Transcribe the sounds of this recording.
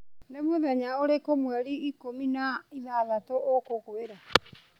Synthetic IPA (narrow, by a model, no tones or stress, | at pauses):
nemoðɛɲaoɾekomwɛɾiːkominaiðaðatoʔokokoeɾa